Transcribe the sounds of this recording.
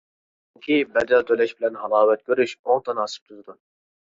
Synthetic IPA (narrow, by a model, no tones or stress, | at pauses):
yŋkʲʰibɛd̪ɛlt̪ʰølɛʃbɪlɛnɦɑlˠɑːwɛt̪̚kʲøɾyʃont̪ʰɑnɑsɨ̥p̚t̪ʰuzɨd̪u